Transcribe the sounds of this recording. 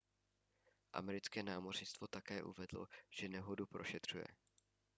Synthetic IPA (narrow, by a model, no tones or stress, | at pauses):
ʔa̰mɛɾɪt͡skɛːnaːmorɲɪst̪vo̞t̪akɛːʔṵvɛdlo̰ʒ̥ɛnɛɦodupɾo̞ʃɛt̪r̝̥ujɛ̰